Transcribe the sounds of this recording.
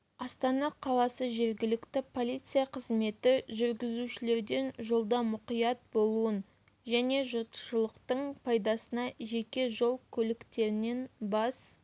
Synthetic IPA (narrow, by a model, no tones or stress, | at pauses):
ɑst̪ɑnɑqʰɑlˠɑsəʒe̞ɾɡʲɪlɪkt̪ɪpʰo̞lʲˠijt̪sɨjɑqʰəzme̞t̪ɪʒʏɾɡʲɪzuʃɪle̞ɾd̪e̞nʒo̞lˠd̪ɑmʊqijɑt̪̚bo̞lˠuən | ʒæne̞ʒʊɾt̪ə̥ʃəlˠəqt̪əɴpʰɑjd̪ɑsənɑʒe̞kʲe̞ʒo̞lˠkʲʰɵlɪkt̪e̞ɾɪne̞nbɑs